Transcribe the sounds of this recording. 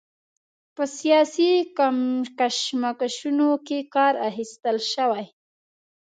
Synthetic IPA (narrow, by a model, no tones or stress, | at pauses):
pəsijɑsikamkaʃmakaʃunokekɑɾahist̪əlʃawaj